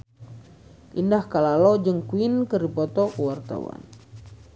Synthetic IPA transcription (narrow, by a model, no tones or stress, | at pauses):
ʔindahkalalɔd͡ʒəŋkuinkəripɔt̪ɔkuwart̪a̰wa̰n